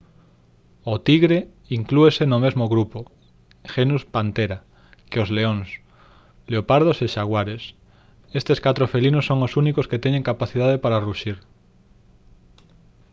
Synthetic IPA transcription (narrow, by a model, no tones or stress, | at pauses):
ot̪iɣɾe | iŋkluesenomezmoɣɾupo | xenuspant̪eɾa | keozleoŋs | leopaɾð̞oseʃaɣwaɾes | est̪eskat̪ɾofelinosːoŋosunikosket̪eɲẽŋkapaθið̞að̞epaɾaruʃiɾ